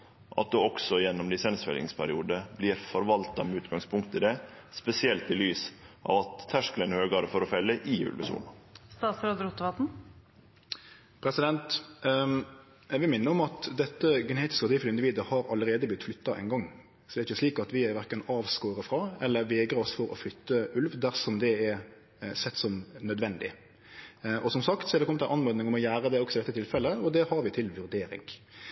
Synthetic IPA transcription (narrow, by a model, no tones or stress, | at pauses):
ʔɑ̰t̪̚d̪oːɔksɔjɛnːɔmlɪsɛnsfɛ̰lɪ̰ŋspʰæɾɪuːd̪əbliːɾfɔɾʋɑlt̪ɑmʉːt̪ɡɑŋspʰʊŋkt̪əd̪ɛspɛsɪɛlt̪ɪlyːsʔɑ̰ːʋɑt̪ʰːæʂkələnhøːɡɑːɾəfɔɾɔfɛlːəʔɪʉ̰ːlʋə̰sṵːɳst̪ɑːt̪sɾɑːd̪əɾʊt̪ːʋɑt̪n̩ | pʰɾɛsɪd̪ɛnt̪ | æʋɪmɪnːəɔmɑt̪d̪ɛt̪ːəɡɛneːt̪ɪ̥skəɑt̪iːfləɪnd̪ɪʋiːd̪əhɑɾɑləɾeːd̪əblɪt̪flʏt̪ːɑʔɛ̰ɪnɡɑŋː | sɔd̪ɛːɾɪçəsliːkɑt̪ʋɪæɾʋæɾkənɑːʋskoːɾəfɾɑɛlːəɾʋɛːɡɾəɔsfɔɾɔ̰flʏt̪ːəʉlʋd̪æɾsɔmd̪ɛɛɾ | sɛt̪ːsɔmnœd̪ʋɛnd̪ɪ̰ | ʔɔsɔmsɑkt̪sɔɛʁd̪ɛkɔmət̪ænʔɑnmoɾd̪nɪŋɔmɔjæːɾəd̪ɛɔksɔɪd̪ɛt̪ːət̪ʰɪlfɛlːəɔd̪ɛhɑɾʋɪt̪ʰɪlʋʉɾd̪eːɾɪ̰ŋ